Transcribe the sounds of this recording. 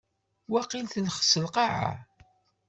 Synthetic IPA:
wæqilθəlχə̥səlqɑʕa̰

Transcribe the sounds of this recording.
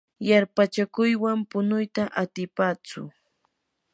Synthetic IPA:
jaɾpat͡ʃakʊjwampʊnʊjt̪aʔat̪ɪpaːt͡sʊ̰

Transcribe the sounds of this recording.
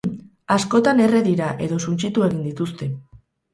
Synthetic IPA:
asko̞t̪ane̞re̞ðiɾaʔe̞ðo̞sunt͡ʃit̪ue̞ɣind̪it̪ust̪e̞

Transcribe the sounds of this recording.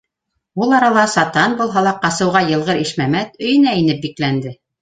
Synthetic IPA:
ulˠɑɾɑlˠɑsɑt̪ɑnbulˠɦɑlˠɑqɑsɤ̆wʁɑjɤ̆lˠʁɤɾiʃmæmæt̪ɵ̆jɘ̆næinɘp̚biklænd̪ɘ

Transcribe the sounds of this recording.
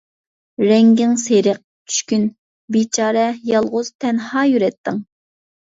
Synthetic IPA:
ɾɛŋɡʲɪŋseɾəq̚ | t͡ʃʰy̥ʃkʲyn | bit͡ʃʰɑːɾɛjɑlˠʁʊz̥t̪ʰɛnhɑːjyɾɛt̪ʰːɪŋ

